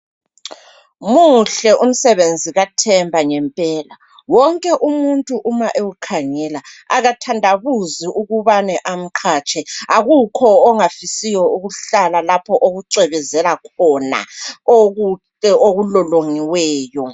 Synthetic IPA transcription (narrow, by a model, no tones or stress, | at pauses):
muɬɛʔum̩sɛβend͡zʱiɣatʰɛmbʱaŋɛmpʼɛːla | wɔŋkʼɛʔumuntʼuʔumaʔewukʰaŋɛlaaɣatʰandʱaβuziʔuɣuβanɛʔam̩kʰat͡ʃʰʼɛaɣukʰɔːŋafisijɔuɣuɬalalapʰɔʔoɣuǀɛβɛzɛlakʰɔna̰oɣu | ɛoɣulɔloŋiwɛːjɔ